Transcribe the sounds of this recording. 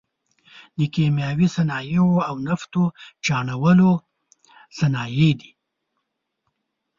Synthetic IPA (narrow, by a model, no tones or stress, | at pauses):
nəkemjɑwisanɑjewoawnaft̪ot͡ʃɑɳawəlo | sanɑjed̪i̥